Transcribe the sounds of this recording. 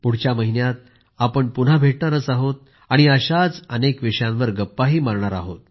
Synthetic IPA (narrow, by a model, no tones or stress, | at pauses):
puɽ̤t͡ɕjaməɦinjat̪̚ | apəɳpun̤abʱeʈɳaɾət͡saɦot̪̚ | aɽ̃iəɕat͡sənekʋiʂjãnʋəɾɡəpːaɦiːmaɾɳaɾaɦo̰t̪̚